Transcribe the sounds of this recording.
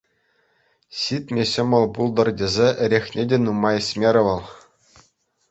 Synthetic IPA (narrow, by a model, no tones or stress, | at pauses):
ɕit̪ʲmʲeɕɤ̆mʲɤ̆lˠpulˠd̪ɤ̆rdʲezʲeʔɘ̆ɾʲexnʲedʲenumɑɘ̆sʲmʲeɾʲɘ̆ʋɤ̆lˠ